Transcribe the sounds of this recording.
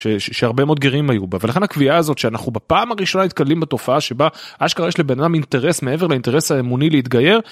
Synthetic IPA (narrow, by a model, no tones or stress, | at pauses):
ʃeʃʃeaʁbe̞mo̞d̪̚ɡeʁimajubavelaχe̞nhakviaːzo̞t̪ʃeanaχnubapaːmaʁiʃo̞nanit̪̚kallimbat̪o̞faaʃe̞baʔaʃkaʁjeʃlebenadamint̪e̞ʁe̞sme̞e̞veleint̪eʁesaemunileit̪ɡaje̞ʁ